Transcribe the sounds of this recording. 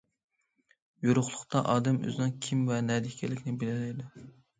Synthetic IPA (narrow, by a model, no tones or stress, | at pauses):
juɾʊχlˠʊqt̪ɑʔɑːd̪ɛmø̰zɪnɨŋkʲʰimvɛnɛd̪ɪkʲʰɛlɪkʲnɪbɪlɪlɛjd̪u